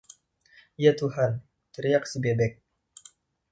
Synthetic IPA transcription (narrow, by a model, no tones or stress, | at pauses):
jat̪uɦan | t͡ʃəɾijak̚səbebɛk̚